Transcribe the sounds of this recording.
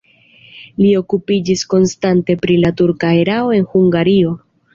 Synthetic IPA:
lio̞kupid͡ʒisko̞nstante̞pɾilatuɾkaeɾao̞e̞nhuŋɡaɾio̞

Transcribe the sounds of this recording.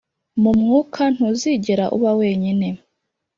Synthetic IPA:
mumŋuːkʰan̥huziːɟeɾaʔṵβawe̞ːɲine̞

